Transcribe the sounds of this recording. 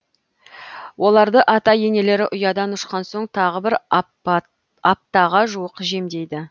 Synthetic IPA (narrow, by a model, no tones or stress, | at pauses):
wʔo̞lˠɑɾd̪əʔɑt̪ɑje̞ne̞le̞ɾɪʔʊjɑd̪ɑnʊʃqɑnso̞ɴt̪ʰɑʁəbɪɾ | ɑp̚t̪ɑʁɑʒuwəqʒe̞md̪e̞jd̪ɪ